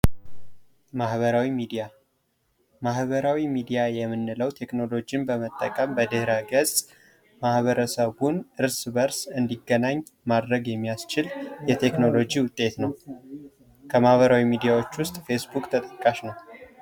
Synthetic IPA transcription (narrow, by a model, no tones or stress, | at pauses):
mahβəɾawimid̪ia | mahβəɾawimid̪ijajɛmːɨnːɨləwt̪ʰe̞kno̞lo̞d͡ʒinbəmət̪ʼːəkʼəmbəd̪ɨhɾaɡəzʼ | mahβəɾəsəβunʔɨɾsbəɾsɨnd̪iɡːənaɲː | mad̪ɾəɡjɛmːijast͡ʃɪljɛt̪ʰe̞kno̞lo̞d͡ʒiwʊt̪ʼːe̞t̪nəw | kʰəmahβəɾawimid̪ijawo̞t͡ʃːwʊst̪ʼfe̞sbukʼt̪ʰət̪ʼəkʼːaʃnəw